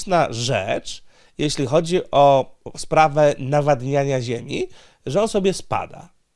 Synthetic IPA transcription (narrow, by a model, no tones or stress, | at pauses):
naʐɛ̰t͡ʂ | jeɕlʲixɔd͡ʑiʔɔspɾavɛnavad̪ɲaɲaʑemʲi | ʐɛɔnsɔbʲjɛspa̰d̪a̰